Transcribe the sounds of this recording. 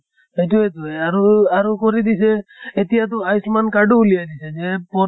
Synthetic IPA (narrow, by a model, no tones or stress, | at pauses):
ejt̪uɦet̪uaɾuaɾukɔɾid̪iseːt̪ijat̪uajsmankaɖuːlijajd̪isʰɛd͡ʒepɔ